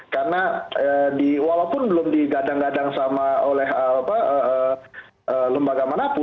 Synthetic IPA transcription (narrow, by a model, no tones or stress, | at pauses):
karnaədiwalawpʊnbəlʊmdiɡadaŋɡadaŋsamaolɛhɦəapaəʔə | ʔələmbaɡamanapʊ